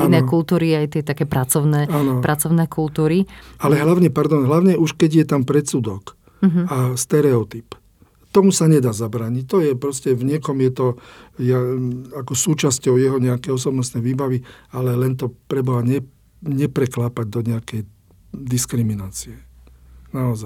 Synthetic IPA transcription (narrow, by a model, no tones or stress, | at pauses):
inɛːkult̪uːɾiajt̪ɪɛt̪akɛːpɾat͡sɔʊnɛːanɔpɾʔat͡sɔʊnɛːkult̪uːɾialɛɦlaʊɲɛpaɾd̪ɔnɦlaʊɲɛʔuʃkɛɟjɛt̪ampɾɛt͡sud̪ɔk | ɦast̪ɛɾɛɔt̪ip | t̪ɔmusaɲɛd̪aːzabɾaːɲic̚t̪ɔjɛpɾɔscɛvɲɪɛkɔmjɛt̪ɔjaakɔsuːt͡ʃascɔʊjɛɦɔɲɛakɛjɔsɔbnɔst̪nɛjʋiːbaʋialɛlɛnt̪ɔpɾɛbɔaɲɛ | ɲɛpɾɛklaːpaɟ̚d̪ɔɲɛakɛj | d̪iskɾiminaːt͡siɛ | naɔzaj